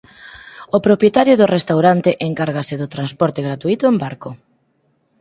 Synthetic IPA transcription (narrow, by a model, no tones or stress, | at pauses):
opɾopjet̪aɾjʊðʊrest̪awɾant̪eʔeŋkaɾɣ̞asɪðot̪ɾanspɔɾt̪eɣɾat̪uit̪ʊembaɾko